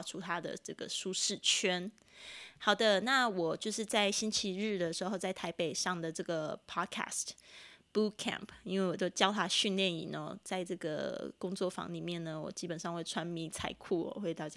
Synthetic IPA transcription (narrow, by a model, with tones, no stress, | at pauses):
ʈ͡ʂʰu˥t̪ʰa˥d̪ə̰˨ʈ͡ʂɤ˥˩ɡə̰˩ʂu˥ʂɻ̩˥˩t͡ɕʰɥɛ˥n | hɑ˨˩ʊd̪ə˧na˥˨wɔ˨˩t͡ɕjo˥˧ʊʂɻ̩˥˧t͡sa˥˩ɪɕi˥nt͡ɕʰi˧˥ɻɻ̩˥˩d̪ə˩ʂɻ̩˧˥xo˥˧ʊt͡sa˥˩ɪt̪ʰa˧˥ɪpe˨˩ɪʂɑ˥˩ŋd̪ə˩ʈ͡ʂɤ˥˩ɡə˩pʰɑ˥kʰa̰˥˩stb̥u˥kʰɛ̰˥˩mpʰi˥nwe˥˩ɪwɔ˨˩t̪o˥ʊt͡ɕjɑ˥ʊt̪ʰa˥ɕy˥˧nljɛ˥˩nḭ˨˩nɔ̰˨˩˦t͡sa˥˧ɪʈ͡ʂɤ˥˩ɡə̰˩kʊ˥ŋt͡swɔ˥˩fɑ̰˧˦ŋli˨˩mjɛ˥˩nnə˩wɔ̰˨˩t͡ɕi˥pə˨˩nʂɑ˥˧ŋxwe˥˩ɪʈ͡ʂʰwa˦˥nmi˧˥t͡sʰa̰˨˩ɪkʰu˥˩wɔ̰˨˩xwe˥˧ɪt̪ɑ˥˩t͡ɕ